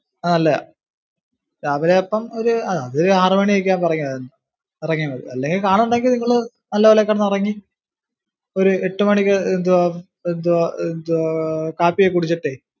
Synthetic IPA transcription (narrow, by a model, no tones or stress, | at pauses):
nɐlːɐ̰ | ɾaːʋɐleopːɐmoɾuɐðaðoɾuaːrmɐɳiejk̬ʲːaːnpɐrɐŋːiaenːɐ | irɐŋːiɳːɐðɨ̰ɐlːeŋɡilkaːɳuɳɖaːŋɡilniŋːɐɭɨ | nɐlːɐʋɐlekːɐɽɐnːirɐŋːi | o̞ɾueʈːumɐɳikʲːɨend̪u | end̪uend̪ukaːpːijekuɽit͡ɕːɐʈːe